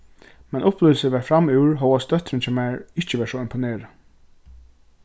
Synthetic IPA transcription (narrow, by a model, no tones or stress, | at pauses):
mɛnʔʊplʏːl̩səʋæːfɹamʉːɹɦɔwast̪œt̪ɾɪnt͡ɕʰɛmæɹɪçt͡ɕəʋæːʂɔɪmpʊneːɹə